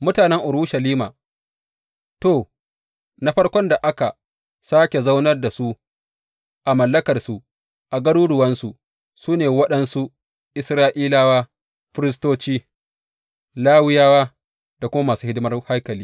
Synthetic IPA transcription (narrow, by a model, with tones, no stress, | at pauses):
mʊ˦taː˨nɛ˦ŋʔʊ˨ɾuː˦ʃɐ˨liː˦ma̰ː˨ | toː˦˨ | na˦ɸɐ˦rkʷɔ˦nda˨ʔa˦ka˨ | saː˦kʲe˨za˦wnɐ˦rda˨su˦ | ʔa˨mɐ˨lːɐ˦kɐ˨rsu˨ | ʔa˨ɡɐ˦ɽuː˦dʊ˨wɐ˦nsu˨ʔ | suː˦neː˨wɐ˦ɗɐ˦nsu˦ | ʔɪ˨sɾaː˦ʔiː˦laː˦waː˦ | ɸɪ˦ɾɪ˦s̬toː˦t͡ʃiː˦ | laː˦wɪ˦jaː˦waː˦ | d̥a˨kʷʊ˦ma˦maː˨suː˦hɪ˦dɪ˦mɐ˦rha˦kɐ˨liː˦